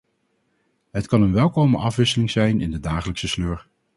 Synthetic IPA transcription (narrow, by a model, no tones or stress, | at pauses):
ɦətkɑnənʋɛlˠkowməʔɑfʋɪsəlɪŋzɛjnʔɪ̰ndədaːχələksəsløːɹ